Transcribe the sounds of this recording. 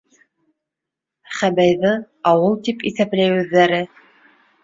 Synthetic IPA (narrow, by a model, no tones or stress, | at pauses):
χæbæjðɤ | ɑwɤlˠt̪ipiθæplæjʉðːæɾɘ